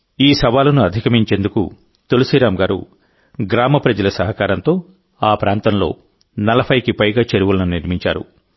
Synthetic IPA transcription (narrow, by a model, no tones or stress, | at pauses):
iːsɐʋaːlɐnuɐd̪ʱikɐmiɲt͡ʃe̞ːnd̪ukṵ | t̪olusiɾaːmɡaːɾṵ | ɡɾaːmɐpɾɐd͡ʒɐlɐsɐɦɐkaːɾɐnt̪o̞ː | aːpɾaːnt̪ɐmlo̞̰ː | nɐlɐpʰɐjkipɐjɡaːt͡ʃeɾuʋulɐnuniɾmiɲt͡ʃaːɾṵ